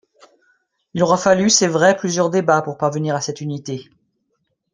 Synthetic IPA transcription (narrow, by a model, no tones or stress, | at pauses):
ilɔʁafalysevʁɛplyzjœʁd̪ebapuʁpaʁvəniʁasɛt̪ynit̪e